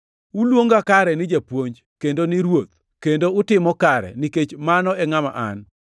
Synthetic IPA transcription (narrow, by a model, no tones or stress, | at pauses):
ulwoŋɡakaɾɛnɪd͡ʒapwoɲd͡ʒ | kendonɪɾwot̪̚ | kendoʊtɪmɔkaɾɛ̰niket͡ʃmanɔɛŋama̰ʔa̰n